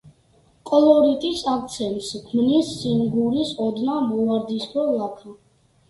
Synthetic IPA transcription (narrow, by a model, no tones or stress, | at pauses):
kʼɔlɔɾit̪ʼisak̚t̪sʰɛnt̪skʰmnisːiŋɡuɾisɔd̪namuaɾd̪iskʰɔlapʰa